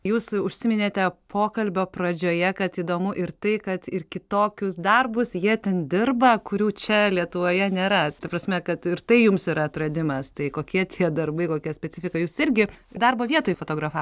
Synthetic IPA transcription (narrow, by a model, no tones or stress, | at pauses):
juːsʊʃʲsʲɪmʲɪnʲeːt̪ʲɛpʰoːkɐlʲbʲoːprɐd͡ʒʲoːjɛkɐt̪iːd̪oːmʊʔɪrt̪ɐɪkɐt̪ɪrkʲɪt̪oːkʲʊsd̪ɐrbʊsjiɛt̪ʲɛnd̪ʲɪrbɐkʊɾʲuːt͡ʃʲɛlʲiɛt̪ʊʋoːjɛnʲeːɾɐt̪ɐpɾɐsʲmʲɛkɐt̪ɪɾt̪ɐɪjʊmsɪɾɐt̪rɐd̪ʲɪmɐst̪ɐɪkoːkʲiɛt̪ʲʰiɛd̪ɐrbɐɪkoːkʲiɛsʲpʲɛt͡sʲɪfʲɪkɐjuːsɪɾʲɡʲɪd̪ɐrboːʋʲiɛt̪oːjfoːt̪oːɡɾɐfɑː